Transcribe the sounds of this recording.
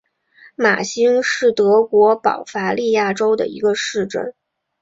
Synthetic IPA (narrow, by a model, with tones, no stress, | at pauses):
ma̰˨˩ɕi˥ŋʂɻ̩˥˩t̪ɤ˧˥kwɔ˧˥pɑ̰˨˩ʊfa˧˥li˥˧ja˥˩ʈ͡ʂo˥ʊd̪ə̰˨ḭ˧˥ɡə˧ʂɻ̩˥˧ʈ͡ʂə̰˥˩n